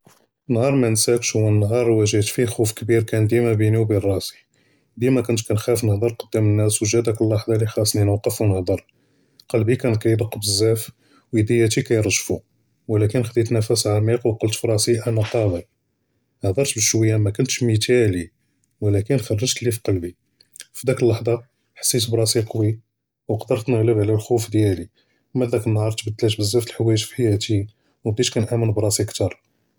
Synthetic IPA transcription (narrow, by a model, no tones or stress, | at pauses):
ənhɑɾˤmænsækʃhʊwːænːɦɑɾˤwæʒət̪fixufkbiɾkænd̪imæbiniwbirˤːɑsi̥ | d̪imækʊnt̪kænxæfnəhd̪ˤəɾqɑd̪ːəmənːæswʒæd̪ækəlːɑħd̪ˤɑlixɑsˤninəwqəfunəhd̪ˤəɾˤ | qɑlbikænkæjd̪ˤəqːbəzːæf | wjd̪ijːæt̪ikæjɾˤʃfu | wəlækənxd̪it̪næfæsʕaɾmiqwqʊlt̪fɾˤɑsiʔænæq̪ɑb̪əl | hd̪ˤɑɾt̪bəʃwəjːæmækʊnt̪ʃmit̪æli | wəlækənfɑrˤːəʒt̪lifiqɑlbi | fid̪ækəlːɑħd̪ˤɑ | ħḁsːit̪bɾˤɑsiqwi | wqd̪əɾˤt̪nəɣləbʕlælxufd̪jæli | mæd̪ækənhɑɾˤt̪bəd̪ːlæt̪bəzːæft̪əlħwæjəʒfi̥ħajæt̪i | wbd̪iʃkænʔæmənbɾˤɑsikt̪ɑɾˤ